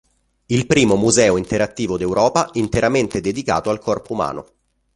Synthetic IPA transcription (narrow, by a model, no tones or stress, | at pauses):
ilpɾiːmomuzɛːoint̪eɾat̪ːiːvod̪ewɾʔɔːpaint̪eɾament̪ed̪ed̪ika̰ːt̪oalkɔrpouma̰ːno̰